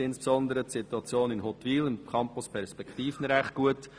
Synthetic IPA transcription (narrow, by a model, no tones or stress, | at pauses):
ɪnspsɔnd̪əɾətsituɑt͡sjoːnɪnɦɔt̪ʋiːlɪmkʰɑmpʊspʰɛɾspɛktiːfnɾæχt̚ɡ̥uət